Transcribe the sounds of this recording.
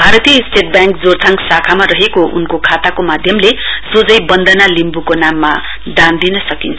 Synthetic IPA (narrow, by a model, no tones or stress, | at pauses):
bʱaɾʌt̪ijʌisʈeʈ̚bjaŋkd͡zort̪ʰaŋksakʰamaɾʌɦekounkokʰat̪akomad̪ʱjʌmlesod͡zʌjbʌnd̪ʱʌnalimbukonamːa | d̪and̪inʌsʌkint͡sʰʌ